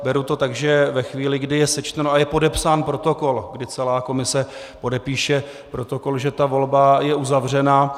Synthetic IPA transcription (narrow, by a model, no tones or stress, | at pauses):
bɛɾut̪o̞t̪aɡʒɛvɛxviːlɪɡdɪjɛsɛt͡ʃt̪ɛnoajɛpo̞dɛpsaːnpɾo̞t̪o̞ko̞lɡdɪt͡sɛlaːko̞mɪsɛ | po̞dɛpiːʃɛ | pɾo̞t̪o̞ko̞lʒɛt̪avo̞lbajɛʔuzavr̝ɛnaː